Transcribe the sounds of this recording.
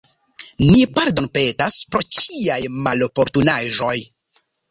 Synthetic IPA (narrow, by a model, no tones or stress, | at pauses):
nipaɾdo̞npe̞taspɾo̞t͡ʃiajmalo̞po̞ɾtunaʒo̞j